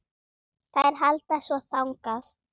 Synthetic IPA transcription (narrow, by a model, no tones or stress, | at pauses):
θaðɛɾ̥ɦalt̪asvɔθawŋkaθ